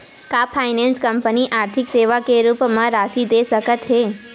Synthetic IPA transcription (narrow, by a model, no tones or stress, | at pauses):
kapʰajnẽnskəmpəniʔaːɾt̪ʰɪkseːʋakeɾuːpmãɾasid̪esəkət̪ɦe